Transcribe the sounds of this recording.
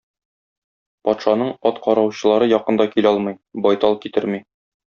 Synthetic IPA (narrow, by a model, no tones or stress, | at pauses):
pɒt̪ʃɑnɤɴɒt̪qɒɾɑwɕɤ̆lˠɑɾɤjɒqɤ̆nd̪ɑkilɒlˠmɤjbɒjt̪ɒl̚ˠkit̪ɘɾmi